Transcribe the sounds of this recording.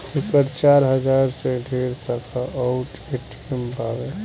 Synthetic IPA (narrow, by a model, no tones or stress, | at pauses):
ukəɾt͡ʃaɾɦəd͡ʒaɾseɖʱeɾsakʰaʔawʈ | eʈʰ | mpabe